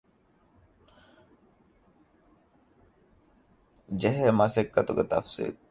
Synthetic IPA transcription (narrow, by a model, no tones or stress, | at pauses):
d͡ʒeɦemɐsekːɐt̪uɡet̪ɐ̰fsḭː